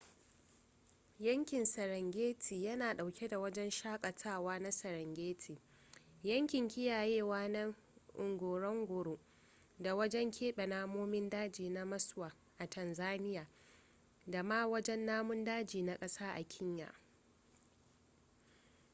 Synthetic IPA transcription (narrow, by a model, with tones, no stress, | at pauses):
jɐ˦ŋkʲɪ˨nsɐ˨ɾɐ˨ŋɡʲeː˦tʰiː˨jɐ˦naː˨ɗa˨wkʲe˦da˨wɐ˦d͡ʒɛ˦nʃaː˦kʼɐ˨tʰaː˦˨waː˦na˦sɐ˨ɾɐ˨ŋɡʲeː˦tʰiː˨ | jɐ˦ŋkʲɪ˨ŋkʲɪ˦jaː˨jeː˦˨waː˦nɐ˦ | ʔʊ˨ŋɡʷoː˨ɾɐ˦ŋɡʷʊ˨ɽo˦ʔ | da˨wɐ˦d͡ʒɛ˦ŋkʲʰeː˦ɓɛ˨naː˦moː˦mɪ˦ndaː˦d͡ʒiː˨na˦mɐ˦swaː˨ | ʔa˨tʰɐ˨nzaː˦nɪ˦jaː˨ | da˨ma˦wɐ˦d͡ʒɛ˦nːaː˦mʊ˦ndaː˦d͡ʒiː˨na˦kʼɐ˦saː˦ʔa̰˨kʲʰɪ˦ɲja̰˨